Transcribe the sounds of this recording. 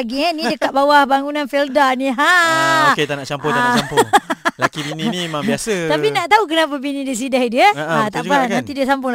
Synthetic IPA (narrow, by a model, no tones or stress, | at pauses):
aɡianĩdəkat̪̚bawahbaŋunanfildanĩɦaket̪anaʔt͡ʃampɔt̪anaampŋlakibininimabiasəapinaʔt̪auk̬ənap̬abinĩdis̬idahdiəat̪aʔanãnt̪idiəsampʊ